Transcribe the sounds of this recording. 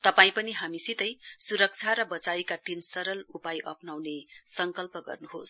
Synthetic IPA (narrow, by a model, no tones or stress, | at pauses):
t̪ʌpaĩpʌniɦamisit̪ʌjsuɾʌk̚t͡sʰaɾʌbʌt͡saikat̪insʌɾʌlupajʔʌpnawnesʌŋkʌlpʌɡʌ̰rnuɦos